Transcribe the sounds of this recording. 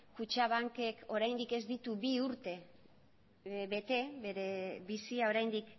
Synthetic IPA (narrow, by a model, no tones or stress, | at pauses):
kut͡ʃaβ̞aŋke̞ko̞ɾajnd̪ike̞zd̪it̪uβiuɾt̪e̞ | βe̞t̪e̞βeɾe̞βisiao̞ɾajnd̪ik